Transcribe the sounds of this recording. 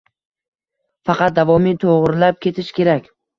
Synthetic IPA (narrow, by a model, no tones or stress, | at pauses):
fɑqʰɑt̪̚d̪avɒmit̪ʰoʁɾlap̚kʲe̞t̪ʰɪʃkʲʰe̞ɾakʲ